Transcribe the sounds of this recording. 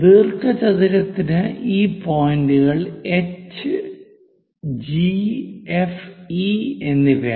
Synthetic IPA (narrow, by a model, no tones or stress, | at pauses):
ʋirkɐt͡ɕɐðiɾɐt̪ːinɨʔiːpoːjnduɣɐɭet͡ɕːɨ | d͡ʑiefie̞nːiʋe